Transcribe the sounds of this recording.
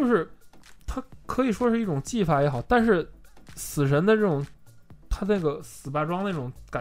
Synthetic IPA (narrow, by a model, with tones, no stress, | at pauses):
t͡ɕjo˥˧ʊʂɻ̩˥˩t̪ʰa˥kʰɤ˧˥i˨˩ʂwɔ˥ʂɻ̩˥˧i˥˩ʈ͡ʂʊ˨˩ŋt͡ɕi˥˩fa˧˥˩jɛ˧˥xɑ˨˩˦ʊt̪a˥˧nʂɻ̩˥˩sɹ̩˨˩ʂə˧˥nd̪ə˧ʈ͡ʂɤ˥˩ʈ͡ʂʊ˨˩˥ŋ | t̪ʰa˥na˥˩ɡə˩sɹ̩˨˩pa˥˩ʈ͡ʂwɑ˥ŋd̪ə˩i˥˩ʈ͡ʂʊ˨˩˥ŋka˨˩